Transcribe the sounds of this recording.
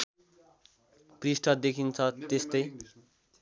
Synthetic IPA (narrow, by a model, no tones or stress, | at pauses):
krisʈʰʌd̪ekʰint͡sʰʌt̪est̪ʌj